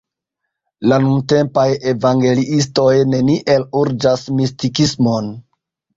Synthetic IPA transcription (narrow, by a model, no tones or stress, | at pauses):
lanunte̞mpaje̞vaŋɡe̞liʔis̬to̞jne̞niʔe̞luɾd͡ʒasmistikismo̞n